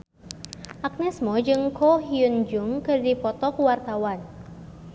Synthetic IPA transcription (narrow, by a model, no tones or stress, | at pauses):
ʔak̚nɛsmɔd͡ʒɨŋkɔɦiund͡ʒuŋkɨrdipɔt̪ɔkuwart̪awan